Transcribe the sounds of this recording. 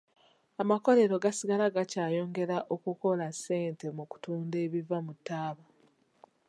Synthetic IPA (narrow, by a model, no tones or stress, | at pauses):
amako̞le̞ɾo̞ɡasiɡalaɡacaːjo̞ːŋɡe̞ɾaʔo̞kuko̞lase̞ːnte̞muku̥tuːnde̞ːβivamutːaːβa